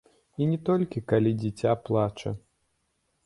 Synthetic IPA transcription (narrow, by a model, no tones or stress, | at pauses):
inʲɛt̪ɔlʲkʲikalʲid͡zʲɛt͡sʲaplˠat͡ʂɐ̰